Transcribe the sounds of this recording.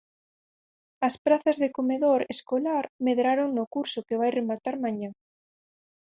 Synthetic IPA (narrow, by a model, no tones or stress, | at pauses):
ɐspɾaθɐzðekomeðoɾeskolaɾmeðɾaɾoŋnʊkuɾsʊkeβajremat̪aɾmãɲã